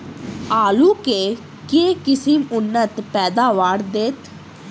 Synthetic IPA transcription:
aːluːkeː | keːkɪsɪmʊnːət̪pɛːd̪aːʋaːɾd̪et̪

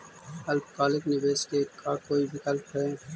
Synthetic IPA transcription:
ɐlbkaːlɪknɪbeːskekakoːibʱɪkəlpɦɛː

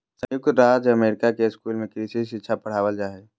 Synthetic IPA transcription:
sə̃jʊk̚t̪ɾaːd͡ʒɐmeːɾɪkakeɪskuːlmẽkɾisiiʃɪtːʃʰapɐɽ̤aːʋəld͡ʒaːeː

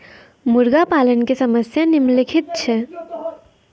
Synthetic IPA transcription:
muɾɡapalənkesəməsjanimlikʰit̪̚t͡ʃʰɛ

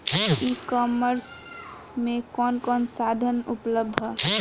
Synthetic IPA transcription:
iːkɔːməɾsmẽkɔːnkɔːnsaːd̪ʱənʊpləb̚d̪ʱɦɔ

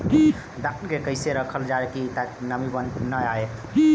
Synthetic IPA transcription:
d̪akekəɪseɾəkʰəld͡ʒaekit̪aknəmibənnəae

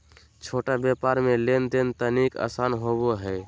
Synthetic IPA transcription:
t͡ʃʰoʈabepaɾmelend̪ent̪ənika̰sanɦoboɦɛ

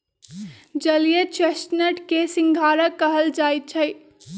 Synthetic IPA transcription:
d͡ʒəlijet͡ʃesʈnəʈkesiŋɡʱaːɾəkːəɦəld͡ʒaːjt̪̚t͡ʃʰəj

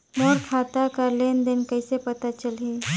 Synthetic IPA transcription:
moɾkʰat̪akəɾlend̪enkəɪsepət̪at͡ʃəlɦe

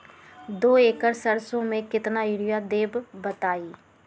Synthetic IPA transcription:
d̪oːeːkəɾsəɾsõmẽkɪt̪naɪɽɪjad̪eːbːət̪aːiː

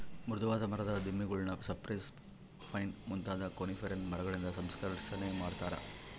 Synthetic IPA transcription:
mɾud̪uʋaːt̪ɐmɐɾɐd̪ɐd̪imːiɡuɭnɐsɐpɾɐjs | pʰɐjnmunt̪aːd̪ɐkonifʰɐɾɐnmɐɾɐɡɐɭind̪ɐsɐmskɐɾisɐnemaːɖt̪aːɾɐ̰

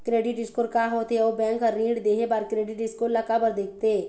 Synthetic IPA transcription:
kɾeːɖɪʈɪskoːɾkaːɦoːt̪eobɛ̃ːŋkaɾĩːɖd̪eːɦebaːɾkɾeːɖɪʈɪskoɾlakabəɾd̪eːk̚ʰt̪eː

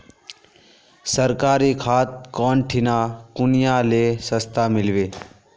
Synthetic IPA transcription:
səɾkaːɾikʰaːt̪̚kɔːnʈʰɪnaːkʊnɪjãleːsəst̪ʰamɪlʋeː

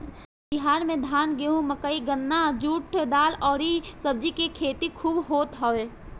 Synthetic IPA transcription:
bɪɦaːɾmẽd̪ʱaːnɡeːɦũmɐkəiɡənːad͡ʒuːʈ̚ʈʰed̪aːlɔːɾisəb̚d͡ʒikekʰeːt̪ikʰuːbɦoːt̪ɦɔeː

